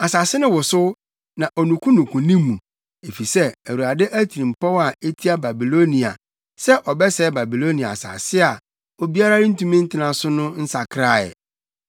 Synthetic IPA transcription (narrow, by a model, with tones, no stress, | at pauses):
a˨sa˨sɪ˦nɪ̃˦wʊ˨sʊ˦ | nã˨ʔo˨nũ˨kʰũ˦nũ˨kʰʷũ˨nĩ˦mːũ˨ | e˨fi˨sɛ˦æ˨wu˨a˨dɪ˦ʔæ˦tʰi˨ĩ˨m̩˨pɔ˦wa˨e˦tʰi˦a˦ba˨bi˨lo˦nĩ˨a̰˨ | sɛ˦ʔɔ˨bɛ˦sɛ˦ba˨bi˨lo˦nĩ˨a˨a˨sa̰˨sɪ˦a˨ | o˨bi˦a˦ɾa˦ɪ˦n̩˦tũ˦mĩ˦n̩˦tʰɪ˦nã˨sʊ˦nʊ̃˦n̩˦sa˨kʰɾa˦˨ɛ̰˨